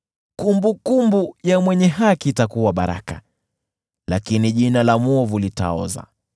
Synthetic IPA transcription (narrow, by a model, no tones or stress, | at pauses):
kumbukumbujamwɛɲɛɦakitakuwaɓaɾa̰ka | lakiniʄinalamɔvulita̰ɔ̰za̰